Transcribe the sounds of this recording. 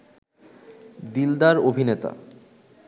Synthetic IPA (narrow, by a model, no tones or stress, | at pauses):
d̪ild̪aɾobʱinet̪a̰